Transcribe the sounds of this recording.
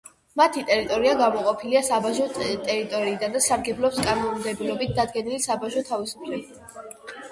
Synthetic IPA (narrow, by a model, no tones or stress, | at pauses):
mat̪ʰit̪ʼɛɾit̪ʼɔɾiaɡamɔqʼɔpʰiliasabaʒɔt̪ʼɛɾit̪ʼɔɾiːd̪and̪asaɾɡɛblˠɔpskʼanɔmd̪ɛbilɔbit̪̚d̪ad̪̚ɡɛnilisabaʒɔt̪ʰavisu̥pʰlɛbi